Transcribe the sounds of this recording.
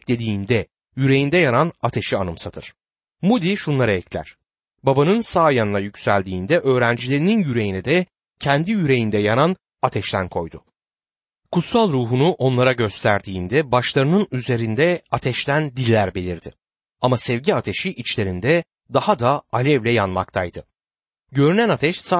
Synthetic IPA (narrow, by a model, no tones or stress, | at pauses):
d̪e̞d̪iːnd̪ɛ | jyɾe̞jind̪ɛjananat̪ʰeʃianɯmsat̪ʰɯɾ̥ | mud̪iʃunlˠaɾaɛclʲæ̰ɾ̥ | babanɯnsaːjanɯnajycsælʲd̪iːnd̪ɛʔø̞ːɾænd͡ʒilʲe̞ɾininjyɾe̞jinɛd̪ɛ | cʰɛnd̪ijyɾe̞jind̪ɛjanan | at̪ʰɛʃt̪ʰænkʰo̞̰jd̪ʊ | kʰut̪salˠɾuːɦunuʔo̞nlˠaɾaɟø̞st̪ʰæɾd̪iːnd̪ɛbaʃlˠaɾɯnɯnyze̞ɾind̪ɛat̪ʰɛʃt̪ænd̪ilʲːæɾbe̞lʲiɾd̪ɪ | amasɛvɟiat̪ʰe̞ʃiʔit͡ʃlʲe̞ɾind̪ɛ | d̪ahad̪aalʲɛvlʲɛjanma̰k̚t̪ʰajd̪ɯ | ɟø̞ɾynænat̪ʰɛʃsa